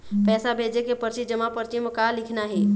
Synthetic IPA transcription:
pɛːsabʱeːd͡ʒekepəɾt͡ʃid͡ʒəmapəɾt͡ʃimkalɪkʰnaɦɛː

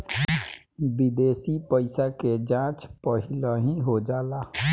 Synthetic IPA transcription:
bid̪eːsipəɪsaked͡ʒãt͡ʃpəɦɪləɦĩɦod͡ʒaːla

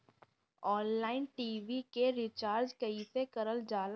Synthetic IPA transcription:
ɔːnlaːɪnʈiːʋikeɾɪt͡ʃaːɾd͡ʒkɐisekɐɾəld͡ʒaːl

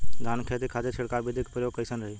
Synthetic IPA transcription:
ɡ̪ʱaːnkʰeːt̪ikʰaːd̪et͡ʃʰɪɽkabɪd̪ʱikpɾəjoːɡ̚kəjsənɾəɦiː

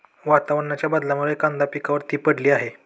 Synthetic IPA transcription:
ʋat̪aʋəɽɳat͡ɕjabad̪laməɡejkãnd̪apikaʋəɾt̪iːpəɽliːaɦe

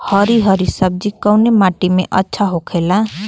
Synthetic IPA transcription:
hʌɾiɦʌɾisʌb̚d͡zikawnemaʈimeʔʌtːsʰaɦokʰela

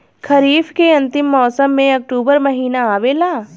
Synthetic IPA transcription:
kʰɐɾiːfkeɐ̃nt̪ɪmːɔːsəmːẽɐk̚ʈuːbəɾmɐɦiːnaaːʋelaː

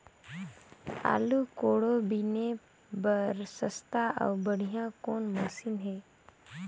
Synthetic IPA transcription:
a̰ːlukoːɽobine | bəɾsəst̪aə̰ʊbəɽ̤ijãkoːnmosɪnɦɛː

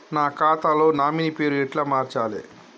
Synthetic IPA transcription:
naːkaːt̪aːlo̞ːnaːminipe̞ːɾuɛʈlaːmaːɾt͡ʃaːlḭ

